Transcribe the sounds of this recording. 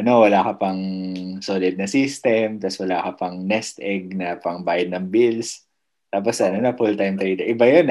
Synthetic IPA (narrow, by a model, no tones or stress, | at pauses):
ʔɐno̞wɐlaːkɐpɐŋsoːlɪd̪̚nɐsiːst̪ɛmt̪ɐswɐlaːkɐpɐŋnɛst̪ʔɛɡ̚nɐpɐŋbaːjɐd̪nɐŋbils | t̪aːp̬osɐnonɐfult̪ajmt̪ɾiːt̪ɐʔɪbajon